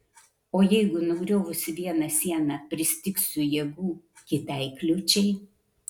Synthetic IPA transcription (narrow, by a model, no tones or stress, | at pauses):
oːjɛɪɡʊnʊɡɾʲoːʋʊsʲɪʋʲiɛnɐsʲiɛnɑpʲɾʲɪsʲt̪ʲɪksʲujɛɡuː | kʲɪt̪ʲɛɪklʲʊt͡ʃʲɛɪ